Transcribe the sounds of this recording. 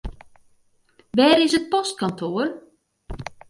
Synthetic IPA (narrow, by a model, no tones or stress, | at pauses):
ʋɛːɾɪsət̚pɔst̚kantʰoːər